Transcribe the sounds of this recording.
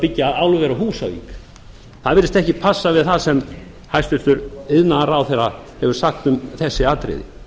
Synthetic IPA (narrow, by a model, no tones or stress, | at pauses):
pɪcːaawlʏvɛɾahuːsavḭːk | θaðvɪɾɪst̪ɛhcɪpʰasːavɪðθasɛm | hajst̪ʏɾ̥t̪ʏɾɪðnaɾawθɛrːa | hɛvʏɾ̥saxt̪ʏmθɛsːɪaːt̪ɾɪ̰ðɪ̰